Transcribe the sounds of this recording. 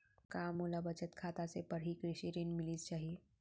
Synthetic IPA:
kaːmulabɐt͡ʃət̪kʰaːt̪asepɐɾɦikɾɪʃiɾeːnmɪlist͡ʃaːɦije

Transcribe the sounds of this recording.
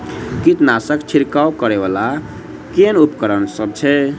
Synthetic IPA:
kit̪nasəkt͡ʃʰiɾkawkəɾebala | kenupkəɾənsʌb̚t͡ʃʰɛ

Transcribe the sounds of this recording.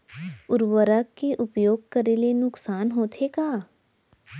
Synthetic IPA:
ʊɾwəɾəkːeʔʊpjoːɡ̚kɐɾelenʊksaːnɦoːt̪ʰekaː

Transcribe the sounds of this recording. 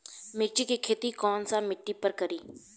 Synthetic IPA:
mek̚t͡ʃikikʰeːt̪ikɔːnsamɪʈːipəɾkəɾiː

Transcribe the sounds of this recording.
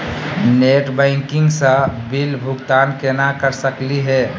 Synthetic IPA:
neʈbɛ̃ɪŋkɪ̃ŋɡsəbilbʱʊɡt̪aːnkenakəɾsəkliɦɛː

